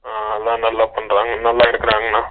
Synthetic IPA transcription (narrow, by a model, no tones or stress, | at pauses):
aːɐðãːnɐlːaːpoɳɾaːŋɡɐnɐlːaːɪɾɯkːɪɾaaːŋɡɐnːaː